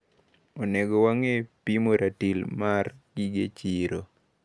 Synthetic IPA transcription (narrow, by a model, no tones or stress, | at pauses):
ɔnɛɡɔwaŋepimoɾʔatilmarɡiɡet͡ʃiɾo